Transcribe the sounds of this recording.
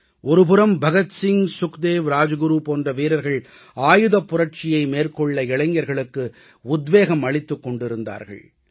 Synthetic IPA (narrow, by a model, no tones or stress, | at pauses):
ʔɔɾɯpɯɾɐmbʱɐɣɐt̪sɪŋsʊkd̪eːʋɾaːd͡ʒɐɡɯɾupoːndrɐʋiːɾɐɾɣɐɭ | aːjɯðɐpːʊrɐʈ̚t͡ʃɪjɐɪmeːrkɔɭːɐɪɭɐɪɲːɐɾɣɐɭɯkːɯ | ʊd̪ʋeːɣɐmɐɭɪt̪ːɯkːɔɳɖɪɾɯnd̪a̰ːɾɣɐ̰ɭ